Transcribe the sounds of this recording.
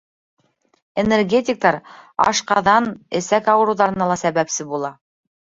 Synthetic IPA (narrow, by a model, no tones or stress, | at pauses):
enerɡʲetʲɪk̚t̪ɑɾɑ̰ʃqɑðɑnɘ̆sækɑwɤ̆ɾuwðɑɾɤ̆nɑlˠɑsæβæpsɘbulˠɑ